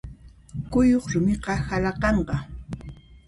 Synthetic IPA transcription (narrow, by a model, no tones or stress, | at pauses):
kʊjoχɾʊmɪqɑhalɑqɑɴɢɑ